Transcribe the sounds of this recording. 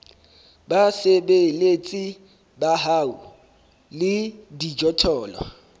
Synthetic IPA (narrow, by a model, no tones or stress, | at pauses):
basebelet͡sʼi | baɦaːu | lɪdid͡ʒɔtʰɔːla̰